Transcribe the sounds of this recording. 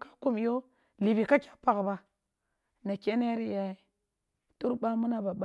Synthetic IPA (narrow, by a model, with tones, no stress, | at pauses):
ka˦ku˦mjo˦ | li˨bi˨ka˦kʲḁ˦pa˨kba˨ | na˨kʲe˦ne˦ɾi˦ja˨i˨ | tu˦ɾba˦mu˦na˦˨ba˨ba˦